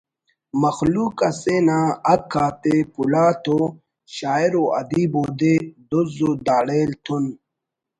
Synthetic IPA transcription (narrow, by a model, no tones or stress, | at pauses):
mɐxluːkɐsenaːɐkʰːaːt̪epulaːt̪ʰo | ɕaːeɾoʔɐ̰d̪iboːd̪ed̪ozod̪aːɽeːlt̪ʰun